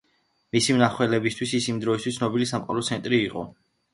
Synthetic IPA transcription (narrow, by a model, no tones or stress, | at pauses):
misimnaχwɛlɛbist̪ʰwisisimd̪ɾɔist̪ʰwissʰnɔbilisamqʼɔ̰lɔt̪sʰɛnt̪ʼɾiːqʼɔ̰